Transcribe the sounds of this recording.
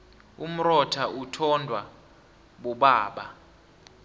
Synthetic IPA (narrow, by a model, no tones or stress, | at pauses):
um̩rɔtʰaʔutʰɔndʱwa | ɓuɓaːɓa̰